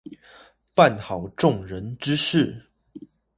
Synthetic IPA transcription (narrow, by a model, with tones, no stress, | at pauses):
pa˥˨nxɑ˨˩ʊʈ͡ʂʊ˥˨ŋɻə˨˦nʈ͡ʂɻ̩˥ʂɻ̩˥˩